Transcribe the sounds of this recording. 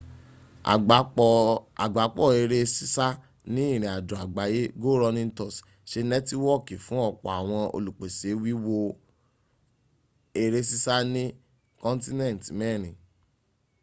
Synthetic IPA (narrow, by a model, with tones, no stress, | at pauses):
a˨ɡ͡ba˨˦k͡pɔ˦˨e˧ɾe˦si˦sa˦ | nĩ˦ĩ˦˨ɾ̃ĩ˨a˨dɾɔ˨a˨ɡ͡ba˨˦je˦ɡo˦ɾɔ˧nĩ˦n̩˦tɔ˦˨s | ʃe˧nɛ˦ti˦wɔ˦˨ki˨fũ˨˦ɔ˦˨k͡pɔ̰˨a˨w̃ɔ̃˧o̰˧lu˨k͡pe˨se˨˦wi˦wo˧ | e˧ɾe˧si˦sa˦nĩ˦ | kɔ̃˦n˦ti˦nɛ̃˦˨tmɛ˦˨ɾ̃ĩ˨